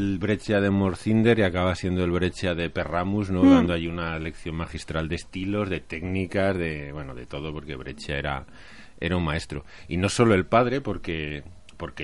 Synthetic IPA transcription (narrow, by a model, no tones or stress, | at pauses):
lβɾe̞t͡ʃað̞e̞mo̞ɾθind̪e̞ɾiakaβ̞asje̞nd̪oe̞lβɾe̞t͡ʃaðe̞pe̞ramuznoðand̪oaʝiunale̞kθjo̞nmaxist̪ɾald̪e̞st̪ilo̞zðe̞t̪e̞knikazðe̞βwe̞noðe̞t̪o̞ð̞o̞po̞ɾke̞β̞ɾe̞t͡ʃae̞ɾa̰ | e̞ɾaunmae̞st̪ɾo̞̰ | ino̞so̞lo̞e̞lpaðɾe̞po̞ɾke̞ | po̞ɾke